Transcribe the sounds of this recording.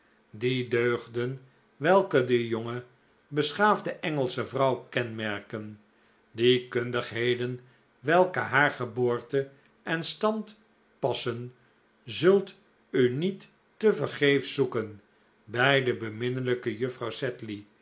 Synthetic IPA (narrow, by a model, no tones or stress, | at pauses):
didøɥχdən | ʋɛlˠkədəjoŋə | bəsχaːvdəʔɛŋəlˠsəvrɑwkɛnmɛɹkən | dikøndəχɦejdən | ʋɛlˠkəɦaːɹχəboːɹtə | ʔɛnstɑnt | pɑsən | zɵlˠt | ynitː | əvəɹχejfsukən | bɛjdəbəmɪnələkəjøfrɑwsɛtli